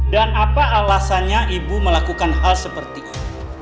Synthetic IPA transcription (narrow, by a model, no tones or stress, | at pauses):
danapaːlasanɲaʔibuməlakukanɦalsəpərt̪i